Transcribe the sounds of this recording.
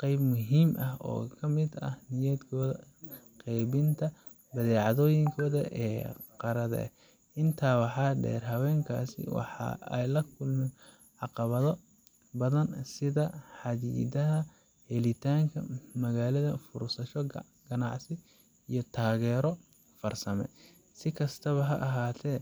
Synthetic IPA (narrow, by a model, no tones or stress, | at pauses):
qɛjbmʊɦiːmʔɐɦɔ̰ːkʰɐmɪd̪ɐ̰hnɪjɛːd̪kʰɔːðɐqɛjβɪnt̪ʰɐ | bɐðɛːʕɑðɔːjɪŋkʰɔːðɐ̰ʔɛːqɑɾɐðɐ̰ɛ̰ | ʔɪnt̪ʰaːwɑħɑːɖɛ̰ːrɦɐwɛːŋkʰa̰ːsɪ̰wɑ̰ħɑ̰ɛ̰jlɐkʰʊlmɪn | ʕɑqɑβɐðɔ | bɐðɐnsɪðɐħɑðḭːd̪ɐɦɐ | hɛlɪt̪ʰaːŋkʰɐ̰mɐɣaːlɐðɐfʊ̰ɾsɐʃɔ | ɡ̥ɐnɑʕsɪ | ijɔt̪ʰaːɣɛːɾɔ | fɐrsɐmɛ̰ | sɪkʰɐst̪ʰɐβɐɦɐʔɐɦaːt̪ʰɛː